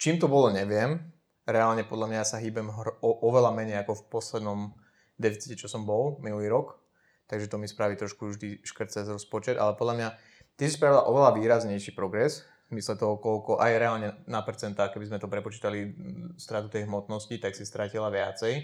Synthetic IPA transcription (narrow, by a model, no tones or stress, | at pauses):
t͡ʃiːmt̪ɔbɔlɔɲɛʋɪɛm | ɾɛalɲɛpɔd̪lamɲajasaɦiːbɛmɦɔʔɔʋɛlamɛɲɛjakɔfpɔslɛd̪nɔm | d̪ɛfit͡si̥cɛt͡ʃɔsɔmbɔlminuliːɾɔk | t̪aɡʒɛt̪ɔmispɾaʋiːt̪ɾɔʃkuʒd̪iʃkr̩t̪t͡sɛzɾɔspɔt͡ʃɛd̪ʔa̰lɛpɔd̪lamɲa | t̪isispɾaʋilaʔɔʋɛlaʋiːɾazɲɛjʃiːpɾɔɡɾɛz | mislɛt̪ɔɦɔkɔlkɔʔajɾɛalɲɛnapɛɾt͡sɛnt̪aːxkɛbizmɛt̪ɔpɾɛpɔt͡ʃiːt̪alist̪ɾat̪ut̪ɛjɦmɔt̪nɔscit̪aksist̪ɾacilaʋɪat͡sɛj